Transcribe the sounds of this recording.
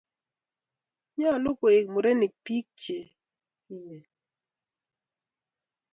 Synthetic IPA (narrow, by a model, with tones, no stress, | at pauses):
ɲɔ˦˨lo˦ko˨ɪ˨k̚mo˨ɾe˦ni˨k̚pi˦k̚t͡ʃe˨ | i˦˨ɲe˨